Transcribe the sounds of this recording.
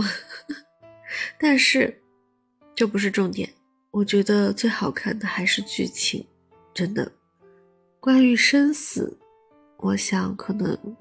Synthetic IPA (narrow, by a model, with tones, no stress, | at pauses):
t̪a˥˧nʂɻ̩˥˩ | t͡ɕjo˥˩ʊp̬u˧˥ʂɻ̩˥˧ʈ͡ʂʊ˥˩ŋt̪jɛ̰˨˩˦n | wɔ˨˩t͡ɕɥɛ˧˥d̪ə˧t͡swe˥˩ɪxɑ˨˩ʊkʰa˥˩nd̪ə˩xa˧˥ɪʂɻ̩˥˧t͡ɕy̰˥˩t͡ɕʰḭ˨˩˦ŋ | ʈ͡ʂə˥nd̪ə̰˨˩ | kwa˥ny˧˥ʂə˥nsɹ̩̰˨˩ | wʔɔ˧˥ɕjɑ˨˩˥ŋkʰɤ˨˩nɤ̰˧˥ŋ